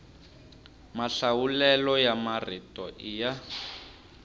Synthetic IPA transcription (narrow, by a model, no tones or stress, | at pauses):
maɬawulɛlɔjamaritɔʔija